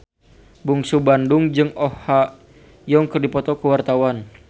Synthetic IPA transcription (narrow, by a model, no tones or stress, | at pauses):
buŋsubandʊŋd͡ʒɨŋɔha | jɔŋkərdipɔt̪ɔkəwart̪awan